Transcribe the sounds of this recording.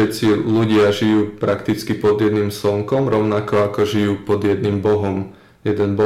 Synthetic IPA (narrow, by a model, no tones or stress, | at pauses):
ɛt̪t͡siluɟɪaʒijuːpɾakt̪it͡skipɔd̪jɛd̪nimsɔŋkɔmɾɔʊnakɔakɔʒijuːpɔd̪jɛd̪nimbɔɦɔm | jɛd̪ɛnbɔ